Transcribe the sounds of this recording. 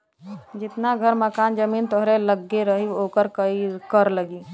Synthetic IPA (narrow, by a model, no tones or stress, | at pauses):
d͡ʒɪt̪naɡʱəɾməkaːnd͡ʒəmiːnt̪oɦɾeləɡːeɾəɦioːkəɾkəikəɾləɡi